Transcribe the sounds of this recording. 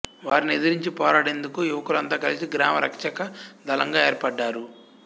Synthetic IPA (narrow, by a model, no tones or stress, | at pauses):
ʋaːɾinied̪iɾiɲt͡ʃipɔːɾaːɽe̞nd̪ukujuʋɐkulɐnt̪aːkɐlisiɡɾaːmɐɾɐkʂɐkɐd̪ʱɐlɐŋɡaːeːɾpɐɖːaːɾu